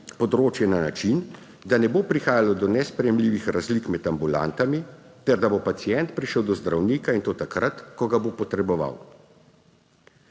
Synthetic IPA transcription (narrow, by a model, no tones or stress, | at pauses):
pɔd̪ɾoːt͡ʃjɛnanat͡ʃin | d̪anɛboːpɾixaːjalɔd̪ɔnɛspɾɛjɛmliːʋixɾazlikmɛt̪ambula̰nt̪ami | t̪ɛɾd̪abopat̪sijɛnt̪̚pɾiʃəwd̪ɔzd̪ɾawniːkaint̪oːt̪akɾat̪kɔɡabopɔt̪ɾɛbɔʋa̰w